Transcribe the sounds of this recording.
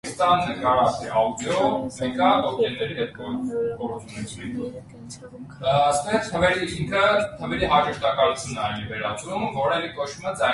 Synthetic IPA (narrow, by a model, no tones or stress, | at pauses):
st̪ɑnːəkɑɾɑt̪ɛɑwd̪jɔmɛkɑt̪ɔk̪ɛnːɛɾid̪ɛp̪̚kʰɔɾkɔɾut͡sʰunɛt͡sʰɛk̪ | st̪əɛt͡sʰt̪ʰəvɛɾiiŋkʰət̪ʰəvɛɾiɦɑʒəʃt̪ɑkɑlut͡sʰjunɛɑjnivɛɾɑt͡sɾumvɔɾɛvikɔt͡ʃʰuməd͡zɑ